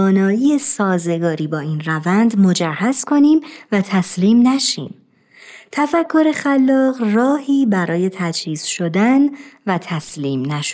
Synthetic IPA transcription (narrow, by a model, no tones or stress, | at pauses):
nɒːiːesɒːze̞ɡɒːɾiːbɒːiːnrævænd̪mo̞d͡ʒæhæzkʰo̞niːmvæt̪ʰæsliːmnæʃḭːm | t̪ʰæfækʰːo̞ɾe̞xælːɒːɢrɒːhiːbæɾɒːje̞t̪ʰæd͡ʒhiːz̥ʃo̞d̪ænvæt̪ʰæsliːmnæʃ